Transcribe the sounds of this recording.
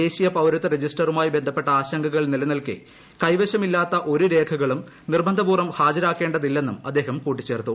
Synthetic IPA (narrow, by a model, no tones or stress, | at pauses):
e̞ːɕijɐpɐwɾɐt̪ːɨred͡ʑisʈɐrumaːjibe̞nd̪ʱɐpːe̞ʈːɐaːɕɐŋɡʱɐɣɐɭnilɐnɐlkḭ | kɐjʋɐɕɐmilːaːt̪ːɐʔo̞ɾuɾe̞ːkʰɐɣɐɭum | nirbɐnd̪ʱɐbuːrɐmhaːd͡ʑɐɾaːkːe̞ːɳɖɐðilːe̞nːumɐd̪ːe̞ːɦɐmkuːʈ̬ːi̥t͡ɕːe̞ːrt̪ːu